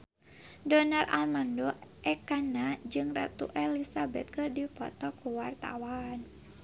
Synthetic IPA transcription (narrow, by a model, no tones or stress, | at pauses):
dɔnarʔa̰lmandɔʔɛkanad͡ʒɨŋra̰t̪ṵʔɛlisabɛt̪̚kɨrdipɔ̰t̪ɔkuwart̪a̰wan